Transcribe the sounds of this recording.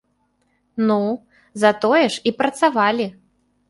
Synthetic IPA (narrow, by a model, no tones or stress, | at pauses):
nu | zɐt̪ɔjɛʂipɾɐt̪savalʲi